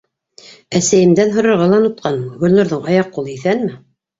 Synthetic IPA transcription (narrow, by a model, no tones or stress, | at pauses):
æsæjɘ̆md̪ænɦŏɾŏɾʁɑlˠɑnŭt̪̚qʰɑnɡɵ̆lʲnŏɾðɤɴɑjɑqːulˠɤiθænmɘ